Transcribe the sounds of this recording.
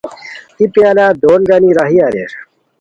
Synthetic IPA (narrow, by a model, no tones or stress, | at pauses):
t̪ipĩalaːd̪oːnɡaniɾaɦiaːɾḛʂ